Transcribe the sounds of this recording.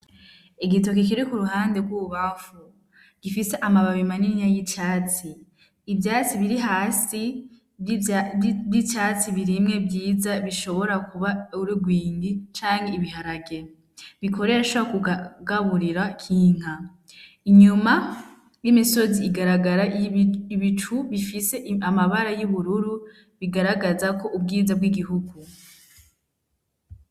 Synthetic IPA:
eɡito̞k̬ik̬iɾikuɾuɦaːndeɡwuuβaɱfu | ɡ̥ifiseʔamaβaβimaniɲajicaːt͡siː | bjaːt͡siβiɾiɦaːsi | bit͡ʃaːt͡siβiɾimŋe̞bjiːzaβiʃo̞βo̞ɾakuβauɾiɡwiːŋɡit͡ʃaːŋɡeiβiɦaɾaɡe | βikʰo̞ɾeɾaʃaakuɡaβuɾiɾakʰiːŋ̥ɦa | iɲuma | jimiso̞ziːɡaɾaɡaɾaiβit͡ʃuβifise̞ʔamaβaɾajuβuɾuɾu | βiɡaɾaɡazako̞ʔubɡiːzabɡiɡiɦuɡu

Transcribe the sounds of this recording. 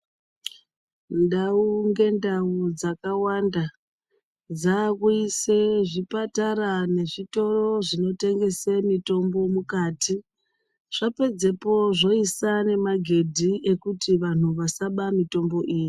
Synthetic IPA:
ndauŋɡe̞ndaud͡zakawanda | d͡zakuiseʐipataɾane̞ʐito̞ro̞ʐino̞te̞ŋɡe̞semito̞mbo̞mukaːti | ʐ̥ape̞d͡ze̞po̞ʐo̞isane̞maɡʱe̞dʱie̞kutiʋan̤uʋasaɓamito̞mbo̞ʔiːji

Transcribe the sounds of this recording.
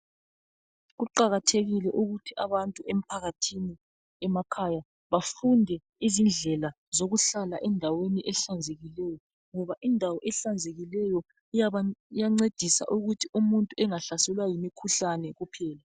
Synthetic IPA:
ɣuǃaɣatʰeɣilɛʔuɣutʰiaβantʼuem̩pʰaɣatʰini | ɛmakʰaja | βafundʱɛ | izind͡ɮʱɛla | zoɣuɬala̰ʔɛndʱaweniʔɛɬand͡zʱeɣilɛjɔ | ŋɔβaʔindʱawɔʔɛɬand͡zʱeɣilɛjɔ | ijaŋ͡ǀed̥ʱisa̰ʔuɣutʰiumuntʼuɛŋaɬasɛlwajimikʰuɬanɛɣupʰɛːla

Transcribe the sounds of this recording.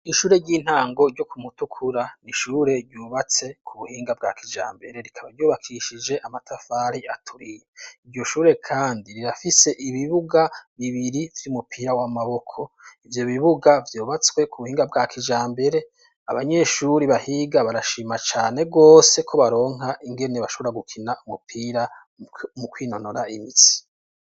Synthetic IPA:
iʃuːɾe̞ɟiːn̥haːŋɡo̞ɾɟo̞kʰumutukʰuɾaniʃuːɾe̞ɾɟuːβat͡se̞kʰuβuhiːŋɡab̚ɡa̰ːkʰid͡ʒa̰ːmbe̞ɾe̞ɾikʰaβaɾɟuːβakʰiʃid͡ʒe̞ʔamatʰafaːɾiatʰuɾijeiɾɟo̞ʃuːɾe̞kʰaːndiɾiɾafise̞ʔiβiβuɡaβiβiɾivjumupʰiːɾawamaβo̞kʰo̞ivjo̞βiβuɡavjoːβat͡swe̞kʰuβuhiːŋɡabɡakʰid͡ʒaːmbe̞ɾe̞ | a̰βaɲe̞ʃuɾiβahiɡaβaɾaʃiːmat͡ʃaːne̞ɡo̞ːse̞kʰo̞βaɾo̞ːŋaʔiŋɡe̞neβaʃo̞βoɾaɡukʰinaumupʰiːɾa | mukwiːno̞noɾaimit͡si̥

